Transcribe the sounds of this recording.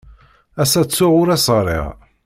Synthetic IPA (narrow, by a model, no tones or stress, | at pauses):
æsæt͡sːʊʕʊɾæsˤɾˤḭʁ